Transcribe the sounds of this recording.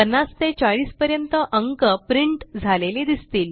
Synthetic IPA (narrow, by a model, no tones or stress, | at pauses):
ənːast̪et͡ɕaɭiːspəɾjənt̪əʔəŋkəpɾiɳʈd͡zʱaleled̪ist̪iːl